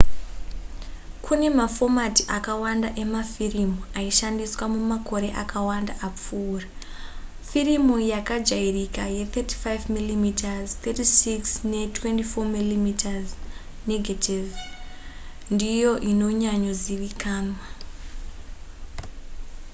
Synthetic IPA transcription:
kʰune̞mafo̞matiʔakawandaʔe̞mafirimuaiʃandiswamumako̞ɾe̞ʔakʰawandaʔap͡fuːra | firimujakad͡ʒairikaje̞teti̥fajvmilimitazt̪etisiksne̞twentifo̞milimitʰaz | neɡʱativ | ndijo̞ʔino̞ɲaɲo̞ziʋikaːma

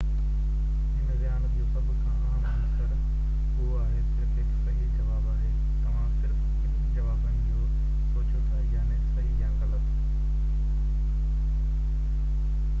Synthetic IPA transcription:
ɦɪnəɾjaːɽ̃d̪iõsɐbʱʊkʰãːaːm̃nɪsəɽ | oɦoaːɦesɪɾkʰeksɐɦid͡ʑɐʋaːbaːɦe | t̪ɐʋ̤ãsɪɾ | k | d͡ʑɐʋaːbɐn | o | soːt͡ɕot̪ʰaːjaːneːksɐɦiɪ̃jãɣɐlət̪ː

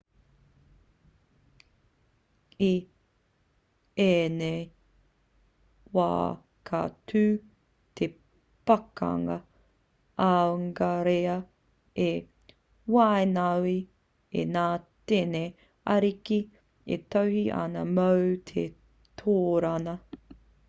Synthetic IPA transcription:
i | enej | wa̰ː | kʰa̰tʰʉː | t̪ʰe | pɐkɐ̰ŋɐ̰ | awŋɡaɾeɐ | e | wajnawi | ḛnaːtene | ɐɾiki | ḛtɐwhiʔɐ̰nɐmɐwt̪ʰe | t̪ʰoːɾɐnɐ

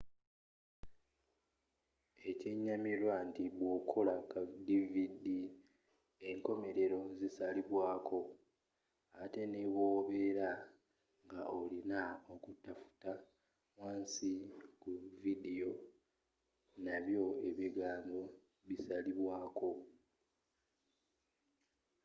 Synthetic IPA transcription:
e̞ceɲːamiɾwantiβwoːkʰo̞lakadividi | e̞ŋko̞me̞ɾe̞ɾo̞zisaliβwaːkʰo̞ | ate̞neβwoːβe̞ɾa | ŋɡaʔolinaokutːafu̥ta | waːnsikuvidijo̞ | naβjo̞e̞βiɡaːɲbo̞ | βisaliβwaːko̞

